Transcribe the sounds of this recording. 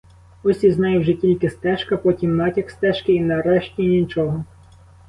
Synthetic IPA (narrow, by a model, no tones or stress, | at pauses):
ɔsʲiznɑjʊwʒɛtʲilʲkɪst̪ɛʃkɐpɔtʲimːɑtʲɐkst̪ɛʃkɪinɐɾɛʃtʲinʲit͡ʃɔɦɔ